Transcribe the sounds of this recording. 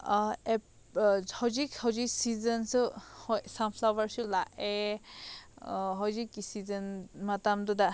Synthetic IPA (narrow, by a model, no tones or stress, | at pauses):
ɛ | hɔzikhɔziksizənsɔhɔsampʰlawbaɹsulaʔɛ | ɦɔzikːisizənmatamduda